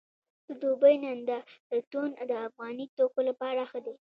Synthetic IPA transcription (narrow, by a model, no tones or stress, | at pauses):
d̪̥əd̪obəjnand̪ad̪̥ət̪ond̪əafɣɑnit̪okolapɑɾaxəd̪e